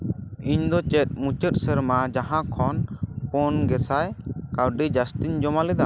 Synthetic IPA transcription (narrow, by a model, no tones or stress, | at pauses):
iɲd̪ɔt͡ʃɛt̪̚mũt͡ʃət̚səɾmad͡ʒaɦãkʰɔnpɔnɡɛsajkawɖid͡ʒast̪iɲd͡ʒɔmalɛd̪a